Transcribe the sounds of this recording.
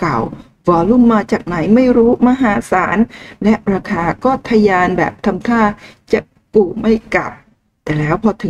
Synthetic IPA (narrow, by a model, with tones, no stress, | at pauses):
ka˨˩w | wɔː˨˦lu˥˩mːaː˧t͡ɕaː˨˩k̚na˩˦jma˥˩jɾuː˦˥ma˧ɦaː˩˦saː˩˦nlɛ˦˥ʔɾaː˧kʰaː˧kɔː˥˩t̪ʰaː˧jaː˧nbɛ̰ː˨˩p̚t̪ʰa˧mt̪ʰaː˥˩t͡ɕa˨˩ | kuː˨˩ma˥˩jka˨˩p̚ | t̪ɛː˨˩lɛː˦˥wpʰɔː˧t̪ʰɯ˨˩˦